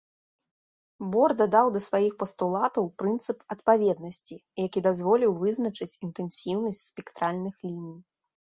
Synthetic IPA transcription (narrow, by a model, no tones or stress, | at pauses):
bɔrd̪ad̪awd̪ɐsvajixpɐst̪ulˠat̪ɐwpɾɨnt̪sɨpɐt̪̚pavʲɛd̪̚nɐsʲt͡sʲijakʲid̪azvɔlʲiwvɨznɐt͡ʂɨt͡sʲint̪ɛnsʲiwnɐsʲt͡sʲspʲɛkt̪ɾalʲnɨxlʲinʲij